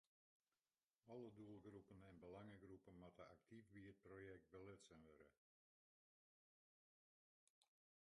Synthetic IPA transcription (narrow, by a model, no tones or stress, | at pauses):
ɔlˠədulˠɡrupənɛnbəlaŋəɡrupənmatəak̚tʰifbiət̚projɛk̚t̚bəlɪtsənʋøɾə̰